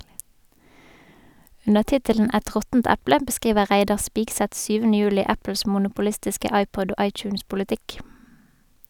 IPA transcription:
ˈʉnəʁ ˈtɪtələn ˈæt ˈʁɔtn̩t ˈæplə bəˈskʁiːʋəʁ ˈʁæɪdɑʁ ˈspiːɡsɛt ˈsyːʋənə ˈjʉːlɪ ˈæpəls mʊnʊpʊˈlɪstɪskə ˈɑɪpɔd ˈoː ˈʔɑɪt͡ʃʉːnspʊlɪˌtɪk

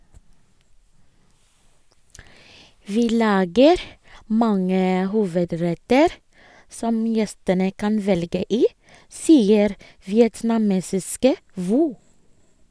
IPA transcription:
ˈʋiː ˈlɑːɡəɾ ˈmɑŋə ˈhuːʋəˌdɹɛtəɾ ˈsɔm ˈjɛstənə ˈkɑn ˈʋɛlɡə ˈiː ˈsiːəɾ ʋɪɛtnɑˈmeːsɪskə ˈʋuː

